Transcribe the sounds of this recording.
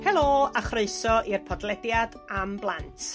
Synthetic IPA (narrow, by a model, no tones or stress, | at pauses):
hɛlˠoːaχreɨsɔʔirpʰɔdlˠɛdjad | amblˠantʰ